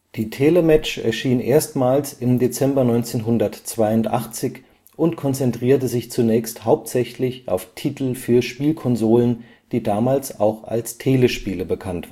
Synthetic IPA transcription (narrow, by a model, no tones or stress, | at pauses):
d̥iːtʰeːləmɛt͡ʃɛ̰ɐʃiːnʔeːɐstmaːlsɪmdet͡sɛmbɐnɔʏnt͡seːnɦʊndɐtt͡sv̥aɪʊntʔa̰χt͡sɪç | ʊntkʰɔnt͡sɛntʁ̥iːɐtəzɪçt͡sunɛːçsthaʊp̚tz̥ɛçlɪçʔa̰ʊftʰiːtl̩fyːɐʃpiːlkʰɔnzoːlən | d̥iːdaːmaːlsa̰ʊxa̰lstʰeːləʃpiːləbəkʰantː